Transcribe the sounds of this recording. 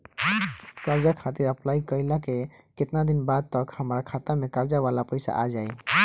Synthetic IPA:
kəɾd͡ʒakʰat̪iɾəplaikəɪlake | ket̪nad̪inbad̪̚t̪əkhəmɾakʰat̪amekəɾd͡ʒaβalapəɪsa̰ʔad͡ʒaj

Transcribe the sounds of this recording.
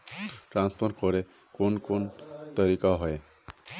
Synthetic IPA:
ʈɾanspʰoɾkoɾe | konkont̪ɔɾikaɦɔe

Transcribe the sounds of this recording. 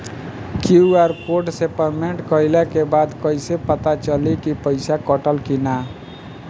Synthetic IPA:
kiuaɾkoɖsepəɾmeɳʈkəɪlɛkebad̪kəjsepət̪at͡ʃəlikipəɪsakəʈəlkina

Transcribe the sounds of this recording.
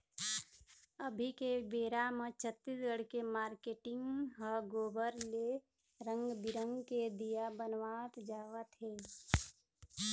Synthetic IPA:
əbʱikebeːɾamə̃t͡ʃʰət̪ːisɡəɽ̤kemaːɾkeːʈɪ̃ŋɡɦəɡoːbəɾle | ɾə̃ŋɡd̪ɪɾə̃ŋɡked̪ijabənʋaːt̪d͡ʒaːwət̪ɦɛː

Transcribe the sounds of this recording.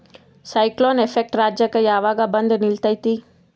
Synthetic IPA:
sɐjkloːnepʰek̚ʈɾaːd͡ʒjɐkɐjaːʋaːɡaːbɐnd̪ɐnilt̪ɐjt̪i

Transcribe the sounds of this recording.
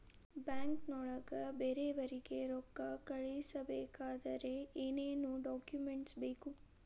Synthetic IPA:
baːŋknɔːɭɐɡɐbeːɾeʋɐɾiɡeɾɔkːɐkɐɭejsɐbeːkaːd̪ɐɾe̞eːneːnuɖaːkjumeɳʈsbeːku

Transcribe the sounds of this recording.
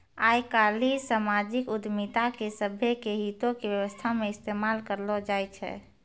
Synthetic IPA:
ajkalisamad͡ʒikʊd̪mit̪akesəbʱjekeɦit̪õkebjəʋəst̪ʰameɪst̪emalkəɾlɔd͡ʒajt͡ʃʰɛ̰

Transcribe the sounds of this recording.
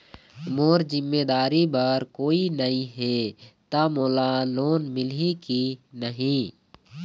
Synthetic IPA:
moːɾzɪmːeːd̪aːɾibaɾkoːinɐĩɦet̪amoːlaloːnmɪlikinəɦĩː

